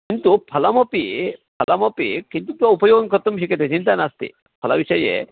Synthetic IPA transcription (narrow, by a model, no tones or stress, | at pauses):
kint̪upʰɐlamopipʰɐlamopḭkint̪ut̪uaupojoɡonkɔɾt̪ːomʃikʰit̪et͡ɕint̪anast̪ḭ | pʰɐlabiʃɔjḛ